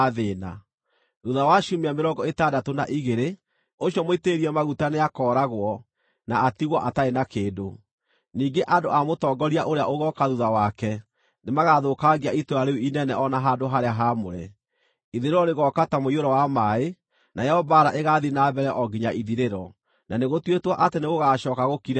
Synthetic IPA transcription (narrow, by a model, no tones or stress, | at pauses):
ðeːna | ðuðawaʃumeameɾɔŋɡɔetadatonaʔiɣeɾe | oɕiɔmoiteːɾiɛmaɣutaneakɔːɾaɣwɔ | naːtiɣwɔʔataenakeːdo | niːɡeʔandoʔamotɔɡɔɾiaʔoɾea̰ʔoɣɔkaðuðawakɛ | nemaɣaðokaɡiaitoɾaɾeuinɛnɛʔɔnaɦadoɦaɾeaɦamoɾɛ̰ | iðiɾeɾɔɾeɣɔkatamoioɾɔwamae | najɛhɔbaɾaʔeɣaðinaːbɛɾɛʔɔɡiɲaʔiðiɾeɾɔ | nʔaneɣotwetwaʔateneɣoɣaːɕɔːkaɣokiɾ